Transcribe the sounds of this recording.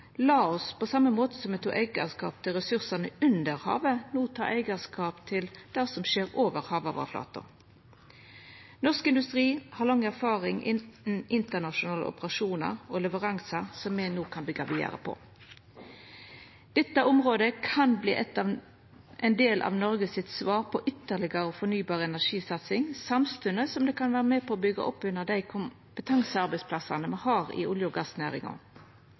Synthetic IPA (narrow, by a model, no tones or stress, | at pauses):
lɑːɔspʰɔsɑmːəmoːt̪ə̥sɔmɛt̪ʰṵːʔæɪɡəskɑ̰ːp̚t̪ʰɪlʁɛsʉʁsənəʉnd̪əɾhɑ̰ːʋənuːt̪ʰɑːɾɛɪɡəskɑːpt̪ʰɪld̪̥æsɔmʃeːʁoːʋəʁhɑːʋɑ̰ʋɑ̰flɑ̰ːt̪ʊ̰ | nɔʁskɪnd̪ʉst̪ʁiːhɑʁlɑŋːæʁfɑːʁɪŋʔɪnn̩ɪnt̪əʁnɑʃʊnɑːlə̰ʊ̰pəʁɑʂuːnə̰ɾɔlɛʋəʁɑŋsəsɔmːɛnoːkʰɑnbɪɡɑʋiːə̰ɾə̰pʰɔ̰ | d̪̥ɛt̪ːəɔmʁoːd̪əkʰɑnblḭːʔɛt̪ːɑ | ʔɛɪnd̪eːlʔɑ̰ːʋnɔɾɡəsɪt̪sʋɑːʁpʰɔʔʏt̪ːəlɪɡəɾəɔfɔnyːbɑːʁəɛnæʁʂiːsɑt̪sɪŋsɑmst̪ʉnəsɔmd̪ɛːkʰɑnʋæːʁəmeːpʰɔobʏɡɑ̰ʔɔpːʉnːəʁd̪æɪkʰʊm | pət̪ʰɑŋsəɑʁbæɪsplɑsɑnəmɛhɑːʁɪ̰ʊljʊɡɑsnæːʁɪ̰ŋɑ̰